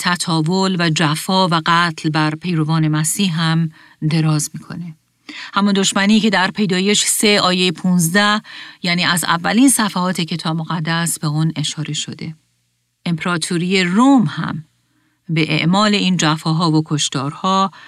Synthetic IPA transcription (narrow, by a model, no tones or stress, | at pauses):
t̪ʰæt̪ʰɒːvolvæd͡ʒæfɒːvæɢæt̪ʰlbæɾpʰe̞jɾo̞vɒːne̞mæsiːhɦæm | d̪e̞ɾɒːzmiːkʰo̞̰ne̞ | hæmund̪o̞ʃmæniːce̞d̪æɾpʰe̞jd̪ɒːje̞ʃse̞ɒːjejepʰuːnzd̪æhjæniːæzæ̰vːæliːnsæfæhɒːt̪ʰe̞cʰe̞t̪ʰɒːbmoɣæd̪ːæsbeune̞ʃɒːɾe̞ʃo̞d̪e̞ | ʔe̞mpʰeɾɒːt̪ʰuɾije̞rumhæ̰m | be̞ʔḛʔmɒːle̞iːnd͡ʒæfɒːɦɒːvokʰo̞ʃt̪ɒːɾhɒː